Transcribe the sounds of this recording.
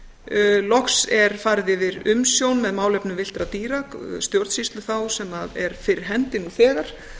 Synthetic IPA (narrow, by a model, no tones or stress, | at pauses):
lɔksɛɾ̥faɾðɪvɪɾʏmsjownmɛðmaːwlɛpnʏmvɪl̥t̪ɾat̪iːɾakst̪jowɾðsist̪lʏθawsɛmaðɛɾ̥fɪɾɪɾ̥ɦɛnt̪ɪnuθɛːɣaɾ̥